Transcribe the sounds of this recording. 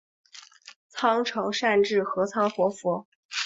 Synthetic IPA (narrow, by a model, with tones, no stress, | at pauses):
t͡sʰɑ˥ŋʈ͡ʂʰɤ˧˥ŋʂa˥˧nʈ͡ʂɻ̩˥˩xɤ˧˥t͡sʰɑ˥ŋxwɔ˧˥fɔ˧˥